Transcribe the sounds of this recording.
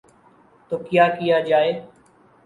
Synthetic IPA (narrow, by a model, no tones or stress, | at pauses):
t̪oːkɪjaːkɪjaːd͡ʒaːeː